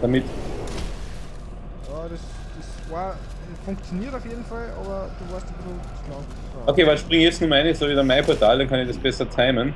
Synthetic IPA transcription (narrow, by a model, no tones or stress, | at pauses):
d̥amɪt | jaːd̥ɛs | d̥ɛs | vaɐ | fʊ̃ŋk̚t͡sjoniːɐtaʊfjeːdn̩falʔo̰ːbɐd̥uːvaːɐstab̥ɪsl̩ | naʊn | aʔokʰeːvalʃpʁɪŋjɛt͡snuɐmaɪnəsoːviːdanmaɪpʰɔɐtʰaːldankʰãnɪçd̥asb̥ɛsɐtʰaɪmən